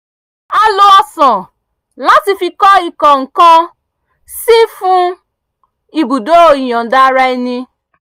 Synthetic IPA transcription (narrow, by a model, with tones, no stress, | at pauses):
a˧lo˧a˧sɔ̃˨ | la˦ti˧fi˧kɔ˦i˨kɔ̃˨ŋ̩˨kã˦ | si˦fũ˦ | i˨bu˨do˦o˨i˨j̃ɔ̃˨da˦ɾa˧i˧nĩ˧